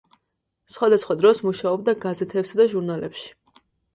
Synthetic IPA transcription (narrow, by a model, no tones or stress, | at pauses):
sχwad̪asχwad̪ɾɔsmuʃaɔb̚d̪aɡazɛt̪ʰɛpsad̪aʒuɾnalɛpʃi̥